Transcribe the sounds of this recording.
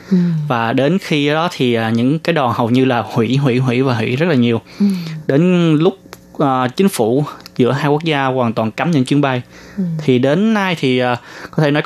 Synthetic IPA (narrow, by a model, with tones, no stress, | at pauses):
vaː˨˩ɗe˨˦nxi˧˨˦jɗɔ˨˦t̪ʰi˨˩ʔaː˨˩ɲɨ̰˧˥ŋkaː˨˦jɗɔ˨˩nhə˨˩wɲɨ˧laː˨˩hwḭ˧˩˥ɦwḭ˧˩˥ɦwḭ˧˥vaː˨˩ɦwḭ˧˥zə˦˥t̚lːɲi˨˩əwɗe˨˦nlʊ˦˥k͡p̚ | ʔəː˨˩t͡ɕï˨˦ŋ̟fṵ˧˩zɨ̰˧˥əɦaː˧jku˦˥ək̚zaː˧waː˨˩nt̪waː˨˩nka˨˦mɲɨ̰˧˥ŋt͡ɕwi˧ənɓa˧jt̪ʰi˨˩ɗe˨˦nːa˧jt̪ʰi˨˩ʔaː˨˩kɔ˨˦t̪ʰe˧˩nɔ˨˦